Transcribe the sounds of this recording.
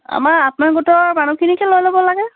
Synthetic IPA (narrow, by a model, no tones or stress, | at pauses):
a̰maɹapʊnaɹɡutɔɹmanukʰinikɛlojlobɔlaɡɛ